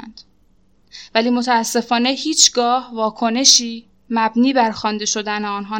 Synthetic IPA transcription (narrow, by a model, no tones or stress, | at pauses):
nd̪̥ | væliːmo̞t̪ʰææsːe̞fɒːne̞hiːt͡ʃʰɡɒːhvɒːkʰo̞ne̞ʃiː | mæbniːbæɾxɒːnd̪e̞ʃo̞d̪æneɒːnɦɒː